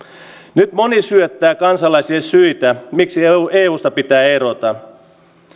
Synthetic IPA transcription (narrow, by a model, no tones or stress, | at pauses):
nyt̪mo̞nisyøt̪ːæːkɑnsɑlɑjsiesyjt̪æmiksieːuːst̪ɑpit̪æːe̞ɾo̞t̪ɑ